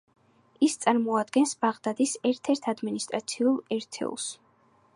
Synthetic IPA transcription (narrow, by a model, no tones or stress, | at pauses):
ist̪sʼaɾmɔad̪ɡɛnsbaʁd̪ad̪isɛɾt̪ʰɛɾt̪ʰad̪minist̪ʼɾat̪sʰiulˠɛɾt̪ʰɛ̰ṵlˠs